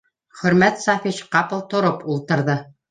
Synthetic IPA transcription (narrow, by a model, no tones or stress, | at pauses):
χɵ̆ɾmæt̪sɑfit͡ɕqɑpɤ̆lˠt̪ŏɾopulˠt̪ɤ̆ɾðɤ